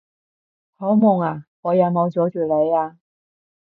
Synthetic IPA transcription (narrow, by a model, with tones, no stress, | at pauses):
ho˨˥wmʊ˨˩ŋaː˨˩ŋɔː˨˧jɐ˨˧wmo˨˧wt͡sɔː˨˧˥t͡ʃyː˨˩le˨˧jaː˧